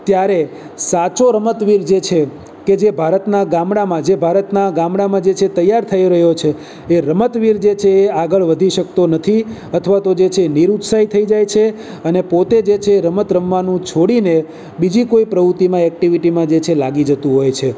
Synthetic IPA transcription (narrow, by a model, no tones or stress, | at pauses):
t̪jaɾe | sat͡ʃoɾəmət̪ʋiɾd͡ʒet͡ʃʰe | ked͡ʒebʱaɾət̪naɡãmɽamãd͡ʒebʱaɾət̪naɡãmɽamãd͡ʒet͡ʃʰet̪əjːaɾt̪ʰəiɾəɦjot͡ʃʰeː | ɾəmət̪ʋiɾd͡ʒet͡ʃʰeːaɡəɭʋəd̪ʱiʃək̚t̪onət̪ʰiət̪ʰəʋat̪od͡ʒet͡ʃʰeːniɾut̪sait̪ʰəid͡ʒajt͡ʃʰe | ənepot̪ed͡ʒet͡ʃʰeːɾəmət̪ɾəmːanũt͡ʃʰoɽine | bid͡ʒikoipɾəʋut̪imãɛk̚ʈiʋiʈimãd͡ʒet͡ʃʰelaɡid͡ʒət̪ũɦojt͡ʃʰe